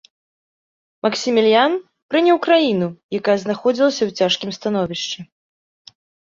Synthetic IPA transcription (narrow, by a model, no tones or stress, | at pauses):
mɐksʲimʲilʲjan | pɾɨnʲɐwkɾajinujakajɐznaxɔd͡zʲilˠɐsʲɐwt͡sʲaʂkʲimst̪anɔvʲiʂt͡ʂɛ